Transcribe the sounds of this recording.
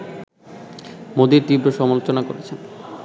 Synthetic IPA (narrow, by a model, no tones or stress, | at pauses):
mod̪iɾt̪ibɾoʃɔmalot͡ɕonako̰ɾet͡ɕʰen